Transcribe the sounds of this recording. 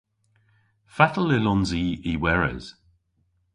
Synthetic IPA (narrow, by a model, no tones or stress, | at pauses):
fatəl̩ɪlɔnziːiwɛɹə̰z̥